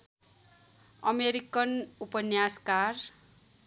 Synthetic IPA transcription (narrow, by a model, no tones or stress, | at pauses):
ʌmeɾikʌnupʌnjaskar